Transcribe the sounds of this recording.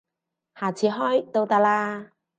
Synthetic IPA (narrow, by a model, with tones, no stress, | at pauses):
haː˨˩t͡sʰiː˨˥ɦɔː˥jt̪o˧wt̪aː˧laː˧